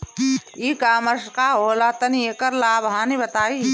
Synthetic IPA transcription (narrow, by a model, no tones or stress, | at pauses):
iːkaːməskaɦoːlaːt̪ɐnieːkəɾlaːbʱɦãːnibɐt̪aːi